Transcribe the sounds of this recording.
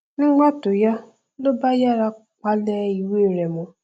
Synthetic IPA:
nɪ˦ɡ͡ba˦tʊ˨ja˦ | lʊ˦ba˦ja˦ɾa˦ | ka˦le˦i˨we˦˨ɾe˨mʊ˦

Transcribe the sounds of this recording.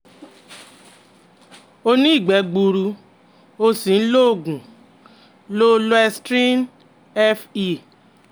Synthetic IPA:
o˧nĩ˦i˦˨ɡ͡bɛ˨˦ɡ͡bu˧ɾu˧ | o˧sĩ˨n̩˦lo˦˨ɡũ˨ | lo˦lo˦ɛ˧stɾi˦n | ɛ˦fi˦

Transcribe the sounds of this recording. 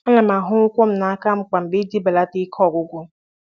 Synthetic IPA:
a˦la˨ma˨ɦʊ˦ʊ˦kʷo˦m̩˦na˨a˦ka˦m̩˦ka˨m̩˨bɪ˦di˦ba˨la˦ti˦kʰɔ˦˨ɡʷʊ˦ɡʷʊ˦m̩˦

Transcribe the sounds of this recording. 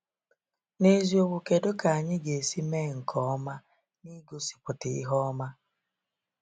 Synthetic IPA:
ne˦zi˦o˦wu˨ke˨do˦ka˨a˨ɲɪ˦ɡe˨si˦me˦˨ŋ̩˨kʰɔ˨ɔ˦ma˦ | ni˦ɡo˦si̥˨pʊ˨tɪ˨i˦ɦɔ˦ma˦

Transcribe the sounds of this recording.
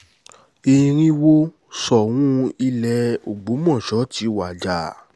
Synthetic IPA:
i˧˨ɾ̃ĩ˦wo˦ | sɔ˨w̃ũ˦i˧lɛ˨o˨ɡ͡bo˨˦mɔ̃˦˨ʃɔ˨˦ti˨˦wa˨d͡ʒa˨˦

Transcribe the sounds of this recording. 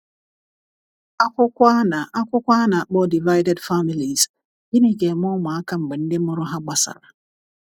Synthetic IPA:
a˦kʷʊ˦kʷa˦na˨a˦kʷʊ˦kʷa˦na˨k͡pɔ˦di˨va˦jde˨dfa˦mi˨li˨z | ɡi˦ni˦ke˨mɔ˦ma˨a˦ka˦ŋ͡m̩˨ɡ͡be˨n̩˦de˦ʊ˦ɾʊ˦ɦa˦ɡ͡ba˦sa̰˨ɾa˨

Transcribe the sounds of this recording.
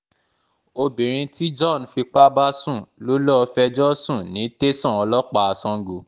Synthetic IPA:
o˧bĩ˨ɾ̃ĩ˧ti˦d͡ʒɔ˦˨n˨fi˧k͡pa˦ba˦sũ˦˨lo˦lɔ˦˧fɛ˧d͡ʒɔ˦sũ˦˨nĩ˨˦te˦sɔ̃˦˨ɔ˧lɔ˦k͡pa˧a˧sɔ̃˧ɡu˨˧

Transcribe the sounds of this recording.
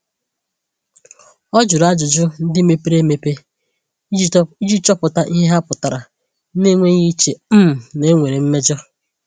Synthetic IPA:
ɔ˦d͡ʒʊ˨ɾa˦d͡ʒʊ˨d͡ʒʊ˦n̩˦dɪ˦me˦pe˦ɾe˦me˦˨pe˦ | i˦d͡ʒi˦t͡ʃɔ˦pʊ˨ta˦ʔi˦ɦe˦ɦa˦pʊ˨ta˨ɾa˨˦ | ne˦ŋʷe˦ɣi˦t͡ʃe˨m̩˦m˨ne˨˦ŋʷe˨ɾe˨m̩˦me˦d͡ʒɔ˦

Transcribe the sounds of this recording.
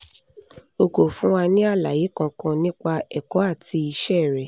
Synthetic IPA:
o˧ko˨fũ˦wa˧nĩ˦a˦˨la˨je˨˦kã˧kã˧nĩ˦k͡pa˧ɛ˨kɔ˨˦a˦˨tʰi˧i˧ʃɛ˦˨ɾɛ˨

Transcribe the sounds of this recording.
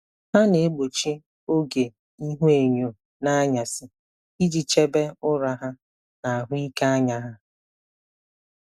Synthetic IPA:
ha˦ne˨e˦ɡ͡bo˨t͡ʃi˦ | o˦ɡe˨ | i˦ɦu˦e˨ɲo˨ | na˦ɲa˨sɪ˦ | i˦d͡ʒi˨t͡ʃe˦be˦ʊ˦ɾa˨ɦa˦ | na˨a˨ɦʊ˦i˦ka˦a˦ɲa˨ɦa˦

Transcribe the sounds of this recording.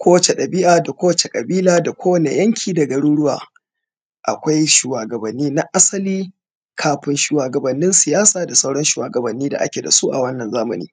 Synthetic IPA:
kʷʰoː˦t͡ʃe˨ɗɐ˨bɪ˦ʔaː˨da˨kʷoː˦t͡ʃe˨kʼɐ˨biː˦laː˦da˨kʷoː˦wɐ˨ne˨jɐ˦ŋkʲʰiː˨dɐ˨ɡɐ˨ɽuː˦ɽʊ˦wa̰ː˨ | ʔa̰˨kʷa˦jʃuː˨waː˨ɡɐ˨bɐ˨nːiː˦na˦ʔa˦sɐ˦liː˦ | kʰaː˨ɸɪ˦nʃuː˨waː˨ɡɐ˨bɐ˨nːɪ˦nsɪ˨jaː˦saː˨da˨sa˦wɽɐ˦nʃuː˨waː˨ɡɐ˨bɐ˨nːiː˦da̰˨ʔa̰˦kʲe˨da̰˨su˦ʔa˨wɐ˦nːɐ˨nzaː˦mɐ̰˨nḭː˦

